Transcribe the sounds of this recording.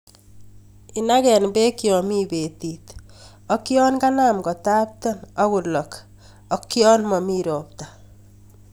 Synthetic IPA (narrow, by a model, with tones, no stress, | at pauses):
ɪ˨na˦kɛ˨nbe˦ki˨ɔ˨mi˦be˨t̪i˨t̪ | ɔ˦ki˦ɔ˦nka˦na˨mɡɔ˨ta˦p̚tɔ˦nɔ˦ɣʊ˨lɔ˨k | ɔ˦kjɔ˦nmɔ˨miː˦ɾɔ˨p̚t̪ḁ